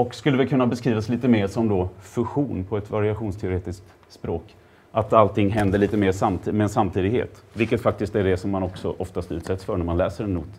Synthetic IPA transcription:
ɔkskɵlːəvɪkʰɵnːabɛskɾiːvasliːt̪əmeːɾʂɔmd̪ɔfɵɧuːnpʰɔɛt̪vaɾɪaɧuːnst̪ʰɛʊɾeːt̪ɪsk̚t̪ | spɾoːk | ʔat̪alt̪ʰɪŋːɦɛnd̪əɭiːt̪əmeːʂamt̪ʰːmɛnsamt̪ʰiːd̪ɪɡɦḛːt̪vɪlkət̪fak̚t̪ɪst̪æɖɛsɔmːanɔksɔ̰ʔɔft̪ast̪ʉ̟ːt̪sɛt̪sfœɳæmanlɛːsəɾɛnːuːt̪

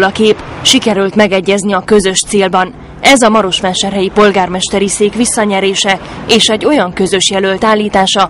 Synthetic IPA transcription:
lɒkeːpʃikɛɾylt̪mɛɡɛɟːɛzniɒkø̞zø̞ʃt̪seːlbɒn | ɛzɒmɒɾo̞ʃmɛʃt̪ɛrɦɛjipo̞lɡaːrmɛʃt̪ɛɾiseːkʋisːɒɲɛɾeːʃɛ | eːʃɛɟːo̞jɒŋkø̞zø̞ʃjɛlølt̪aːlːiːt̪aːʃɒ

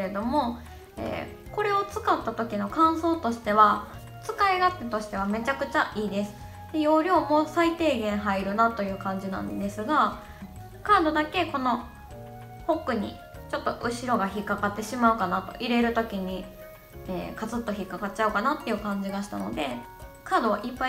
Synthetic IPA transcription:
ɾe̞d̪o̞mo̞ | ḛː | ko̞ɾe̞o̞t͡sɨ̥kat̪ːat̪o̞kʲino̞kãɰ̃so̞ːt̪o̞ɕi̥t̪e̞βa | t͡sɨ̥kaiɡat̪ːet̪o̞ɕi̥t̪e̞β̞ame̞t͡ɕakɯ̟t͡ɕaʔiːd̪e̞sɨ̥ | d̪e̞jo̞ːɾʲo̞ːmo̞sait̪e̞ːɡẽ̞ɰ̃ɦaiɾɯ̟nat̪o̞jɯ̟ːkãɲ̟d͡ʑinã̰nd̪e̞sɨɡa | kaːd̪o̞d̪ake̞ko̞no̞ | ho̞kːɯ̟ɲ̟ḭ | t͡ɕo̞t̪ːo̞ʔɯ̟ɕiɾo̞ɡaçikːakat̪ːe̞ɕimaɯ̟kanat̪o̞̰ʔiɾe̞ɾɯ̟t̪o̞kʲiɲ̟i | eːkazɨt̪ːo̞çikːakat͡ɕaɯ̟kanat̪ːe̞jɯ̟kãɲ̟d͡ʑiɡaɕi̥t̪a̰no̞̰d̪e̞kaːd̪o̞βaʔipːa

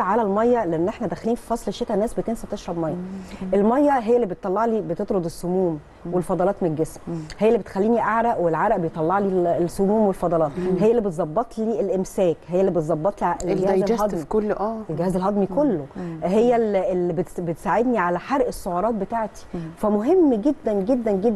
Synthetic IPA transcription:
ʕalælmɑjːɑleʔenːʔeħnæd̪æxæliːnfi̥fɑsˤleʃːet̪ænːæːsbet̪ensæbt̪eʃɾˤɑbmɑjːɑʔelmɑjːɑɦejːælːibet̪ːˤɑlːɑʕliːbet̪et̪ˤɾod̪ˤesːomuːm | welfɑd̪ˤɑlɑːt̪melɡesmhejːælːibet̪xælːiːniʔaʕɾæʔwelʕaɾæʔbejt̪ˤːɑlːɑʕliːesːomuːmwelfɑd̪ˤɑlɑːt̪ˤɦejːælːibet̪zˤɑbːɑt̪ˤliːelʔemsæːkɦejːælːibet̪zˤɑbːɑt̪ˤliʔɡehæeshɑd̪mkolːʔæːelɡehæːzelɦɑd̪ˤmikolːoɦejːælelibebet̪saːʕed̪niʕalæħɑɾʔesːoʕɑɾˤɑːt̪̚bet̪aːʕt̪i̥fæmoɦemːɡed̪ːænɡed̪ːænɡed̪ː

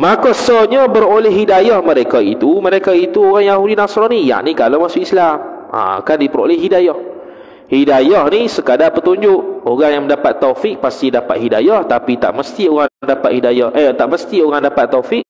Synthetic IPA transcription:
makɔsɔɲəbəɾolɛhɦidajɔhməɾekait̪uməɾekait̪uoɣaŋjahudinasɾɔnija̰ʔnikalomasuislam | a̰kandipəɾo̰lɛhɦidajɔh | hidajɔhnisəkadapət̪uɲd͡ʒʊʔoɣaŋjaŋməndapat̪ːofɪk̚past̪idapat̪̚hida̰jɔht̪apit̪a̰ʔməst̪ioɣaŋməndapat̪̚hidajɔhʔət̪aʔməst̪ioɣaŋdapat̪ːofɪk̚

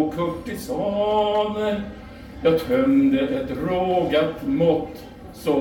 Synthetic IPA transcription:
kʰɵʈːɪsɑdə | jɑt̪ʰœmd̪əɾɛt̪ːɾoːɡat̪mʊt̪ː | sɔ

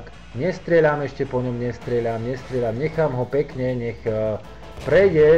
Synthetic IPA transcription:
k | ɲɛst̪ɾɪɛʎamɛʃcɛpɔɲɔmɲɛst̪ɾɪɛʎamɲɛst̪ɾɪɛʎamɲɛxaːmɦɔpɛkɲɛɲɛx | pɾɛjɟɛ

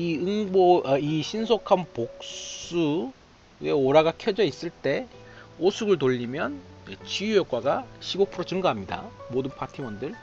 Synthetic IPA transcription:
iɯŋboiɕʰinsʰokʰanpok̚s͈u | e̞oɾaɡakʰjʌd͡ʑʌis͈ɯɭt͈e̞osʰuɡɯɭt̬oʎːimjʌnt͡ɕijujʌk͈waɡaɕʰiɡok̚pʰɯɾot͡ɕɯŋɡaɦamɲida̰modɯnpʰatʰimʌndɯɭ

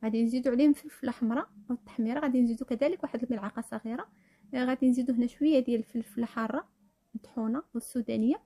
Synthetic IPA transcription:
ɣæd̪inzid̪uʕlihʊmfilflaħəmɾˤɑwət̪ːḁħmiɾˤɑɣæd̪inzid̪ukæd̪æləkwaħəd̪əlməlʕɑqɑsˤɑɣiɾɑ | ɣæd̪inzid̪uhnæʃwəjːæd̪jælfilfəlaħɑrˤːɑ | ət̪ħunɑwəsːud̪ænəjːa

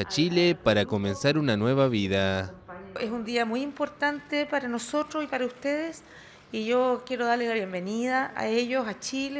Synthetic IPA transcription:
at͡ʃilepaɾako̞mẽnsaɾunanwe̞βaβiða | esund̪iamujimpo̞ɾt̪ant̪epaɾanoso̞t̪ɾosipaɾaust̪eðes | iʝokje̞ɾoð̞aɾleslaβjembe̞niðaʔa̰eʝosat͡ʃile

